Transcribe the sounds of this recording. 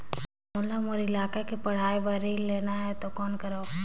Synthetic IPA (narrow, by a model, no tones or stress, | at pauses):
mʊlamoɾɪlaːkekepɐɽ̤aːibɐɾileːnaɦɛt̪okɔːnkɐɾaː